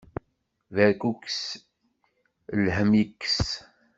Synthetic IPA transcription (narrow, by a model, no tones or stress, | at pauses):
væɾkuks | lhəmikːs